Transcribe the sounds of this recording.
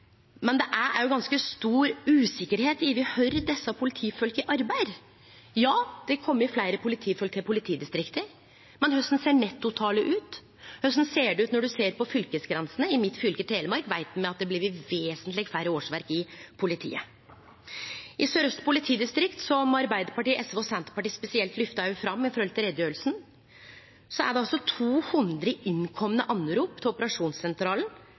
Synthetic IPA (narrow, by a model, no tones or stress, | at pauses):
mɛnd̪ɛʔæɾæ̰ɾjʊɡɑnskəst̪uːɾʉːsɪkːəɾheːt̪ɪʋɪhœʏɾd̪ɛsːɑpʰʊlɪt̪ʰiːfœlkɪʔɑɾbæɪd̪ | jɑːd̪ɛkʰɔmːəɾɪflæɪɾəpʰʊlɪt̪ʰiːfœlk̚t̪ʰɪpʊlɪt̪ʰiːd̪ɪst̪ɾɪkt̪əɾ | mɛnhœst̪n̩seːɳɛt̪ːʊt̪ʰɑːləʔʉːt̪ | hœst̪n̩seːɖɛʉːt̪nɔɖʉseːɾpɔfʏlkəsɡɾɛnsənəɪmɪt̪ːfʏlkət̪ʰeːləmɑɾkʋæɪt̪̚d̪ʉmɛɑt̪̚d̪ɛblɪɾɪʋeːsənt̪lɪɡfæɾəoːʂʋæɾkɪpʰʊlɪt̪ʰḭːə | ʔɪsøːɾœst̪pʰʊlɪt̪ʰiːd̪ɪst̪ɾɪkt̪sɔmɑɾbæɪd̪əɾpɑʈiːʔɛsʋɔsænt̪əpɑʈiːspɛsɪɛlt̪lʏft̪ɑʊfɾɑmːɪfɔɾhɔlt̪ʰɪlɾɛd̪jœlsn | sɔæ̰ɖɛɑlsɔt̪ʰuːhʉnd̪ɾəɪnkʰɔmːənəʔɑnːɾuːpt̪ʰɪlʊpəɾɑʂuːnssɛnt̪ɾɑːln